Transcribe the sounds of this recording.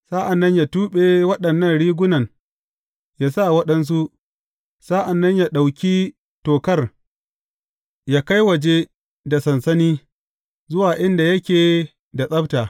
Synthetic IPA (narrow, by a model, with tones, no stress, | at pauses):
saː˦ʔa˨nːɐ˦ɲjaː˨tuː˦ɓe˦wɐ˦ɗɐ˨nːɐ˦˨nɽiː˦ɡʷʊ˦nɐ˨ŋ | jaː˦sa˦wɐ˦ɗɐ˦ns̬u˦ʔ | saː˦ʔa˨nːɐ˦ɲjaː˨ɗa˨wkʲi˦ | toː˨kɐ˦r | jaː˦ka˦jwɐ˨d͡ʒe˦ | da˨sɐ˨nsɐ˦niː˦ | zʊ˦waː˨ʔɪ˦nda˨jɐ˦kʲeː˨ | da˨sʼɐ˦btaː˨